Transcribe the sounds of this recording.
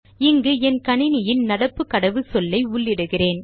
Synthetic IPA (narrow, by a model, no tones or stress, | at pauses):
ɪŋɡɯɛnkɐɳɪnɪjɪnnɐɽɐpːɯkːɐɽɐʋɯsɔlːɐɪʊɭːɪɽɯɣɪreːn